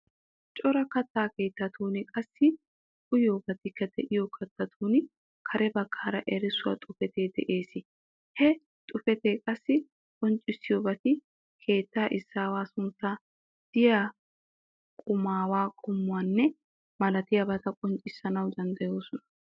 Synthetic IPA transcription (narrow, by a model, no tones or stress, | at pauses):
t͡ʃʼɔɾɐkɐt̪ːaːke̞ːt̪ːɐt̪uːnɪkʼɐsːɪ | kʼʊjoːbɐt̪ɪkːɐd̪ɛʔɪjɔkʰɐt̪ːɐt̪ʰuːnɪ | kʰɐɾɛbɐkʰːaːɾɐʔɛɾɪsʊwa̰t̪ʼʊfɛt̪eːd̪ɛʔe̞ːsɪ | hɛ | t̪ʼʊfɛt̪eːkʼɐsːɪ | kʼɔnt͡ʃʼːɪsːɪjoːbɐt̪ɪ | kʰe̞ːt̪ːaːʔɪsːaːwaːsʊnt͡sːɐ | d̪̥ɪjaː | kʼʊmaːwaːkʼʊmːʊwaːnːɛ | mɐlɐt̪ɪjabɐt̪ɐkʼɔnt͡ʃʼɪsːɐnɐwd̪ɐnd̪ɐjo̞ːsɔnɐ̥